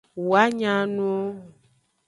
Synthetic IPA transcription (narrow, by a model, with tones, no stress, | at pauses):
wu˨a˦ɲã˦nũ˦o˦